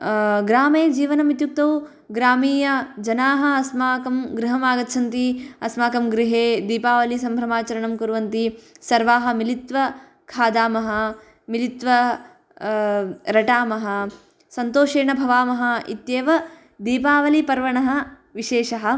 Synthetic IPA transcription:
ɡɾaːmeːd͡ʒiːʋɐnɐmit̪juk̚t̪ɐw | ɡɾaːmiːjɐd͡ʒɐnaːɦɐɐsmaːkɐmɡɾiɦɐmaːɡɐt̪t͡ʃʰɐnt̪iɐsmaːkɐmɡɾiɦeːd̪iːpaːʋɐlisɐmbʱɾɐmaːt͡ʃɐɾɐɳɐmkuɾʋɐnt̪isɐɾʋaːɦɐmilit̪ʋɐ | kʰaːd̪aːmɐɦɐ̆ | milit̪ʋɐ | ɾɐʈaːmɐɦɐ̆ | sɐnt̪oːʃeːɳɐbʱɐʋaːmɐɦɐ̆ḭt̪jeːʋɐ | d̪iːpaːʋɐlipɐɾʋɐɳɐɦɐ̆ | ʋiʃeːʃɐɦɐ̆

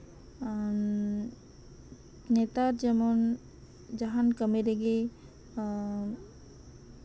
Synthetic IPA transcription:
net̪aɾd͡ʒəmɔn | d͡ʒaɦankəmeɾeɡe

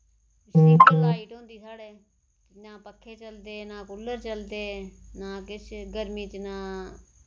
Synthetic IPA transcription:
iːiːʈɦõːnd̪iːsaːɽeː | naːpəkʰːeːt͡ʃəld̪eːnãːkʊlːəɾt͡ʃəld̪eːnaːkɪt͡ʃʰɡəɾmiːt͡ʃnãː

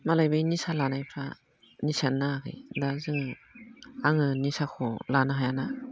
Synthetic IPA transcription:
malajbɯjnisalanajpʰɾa | nisanːakʰɯ̰jdazɯŋ | aŋɯnisakʰɔlanaɦajana

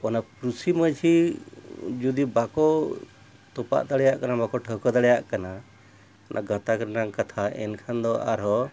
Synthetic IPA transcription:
ɔnapɾusiməd͡ʒʰi | d͡ʒud̪ibakɔ | t̪ɔpa̰ʔd̪aɽɛjaʔkanabakɔʈʰəɦkɔd̪aɽɛjaʔkana | ɔnʔaɡʱət̪akəɾnaŋkat̪ʰaɛ̰nkʰand̪ɔa̰ɾɦɔ

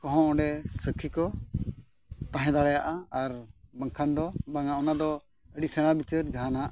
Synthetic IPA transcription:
kɔ̃ɦɔ̃ʔɔ̃ɖɛsəkʰikɔ | t̪ãɦɛ̃d̪aɽɛjaʔaaɾbəŋkʰand̪ɔbaŋaʔɔnad̪ɔ | əɖiʔsɛɽ̃abit͡ʃəɾd͡ʒaɦanaʔ

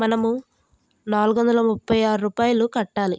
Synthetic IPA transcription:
mɐnɐmu | naːluɡʋɐnd̪ɐlɐmupʰːɐjaːɾuɾuːpaːjɐlukɐʈːaːli

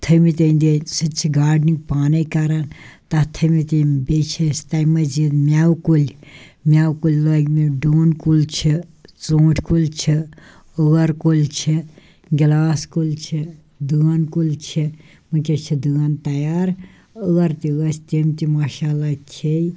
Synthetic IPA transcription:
t̪ʰəmit̪ʲɐnd̪esɨt͡ʃʰiɡaːɖnik̚paːnɐkɐɾant̪ɐt̪ʰəmit̪ibʲet͡ʃʰist̪ɐjmɐd͡ʒit̪mʲawkulʲmʲawkulʲlɐɡmiɖoːnkulʲt͡ʃʰit͡soːʈʰkulʲt͡ʃʰi | əɣɐɾkulʲt͡ʃʰi | ɡilaːskulʲt͡ʃʰi | d̪ɨɐnkulʲt͡ʃʰi | mɨkʲet͡ʃʰid̪ɨɐnt̪ɐjaːɾ | əɣɐɾt̪iɣɐsʰt̪emt̪imaːʃaːlakʰej

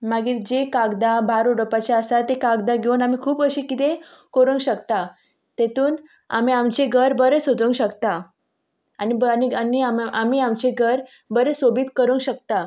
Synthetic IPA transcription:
maɡiːɾd͡ʑekaɡd̪abʱaɾuɽəpat͡ɕaəsat̪ekaɡd̪aɡʱeunamikʰuːpəɕiːkit̪e | koɾuŋɡɕəkt̪a | t̪et̪uːn | a̰miamt͡ɕeɡʱəɾbəɾesod͡zəŋɡɕəkt̪a | anibnianiamʔamiamt͡ɕeɡʱəɾ | bəɾesobiːt̪kəɾəŋɡɕək̚t̪a

